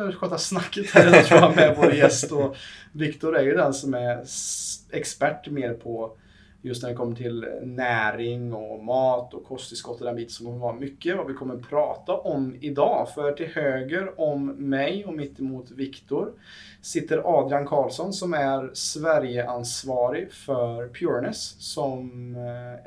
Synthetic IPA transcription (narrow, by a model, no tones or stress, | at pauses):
ɧøt̪ːasnakːət̪hæɾɛnt̪amɛvoːɾjɛst̪ɔvɪkt̪ʊɾæɾjɵd̪ɛnsɔmæɾ | ɛkspæʈːmeːɾpʰɔ | jɵst̪næɖɪkʰɔmːəʈʰɪlnæːɾɪŋɔmɑːt̪ɔkʰɔst̪ɪskɔt̪ːɔd̪ɛnbiːt̪ənsɔmkʰɔmːəɾvɑɾamʏkːəvavɪkʰɔmːəɾpʰɾɑːt̪aʔɔmɪd̪ɑːfœɾʈʰɪlhøːɡəɾɔmːɛjɔmɪt̪ːɪmuːt̪vɪkt̪ʊɾ | sɪt̪ːəɾʔɑːd̪ɪankʰɑːlsɔnsɔmæɾsvæɾjəʔansvɑːɾɪfœɾpʰjuːɾɳəsːɔm